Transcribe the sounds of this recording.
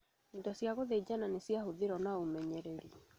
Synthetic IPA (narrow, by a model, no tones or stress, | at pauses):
indɔsjaɣoðed͡ʑananesjahoðeɾɔnaomɛɲɛɾɛɾi